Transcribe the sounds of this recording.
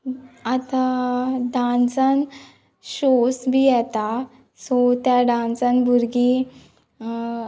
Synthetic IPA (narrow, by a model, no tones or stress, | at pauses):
at̪aɖãnsan | ɕosbijɛt̪a | sɔt̪jaɖãnsanbuɾɡi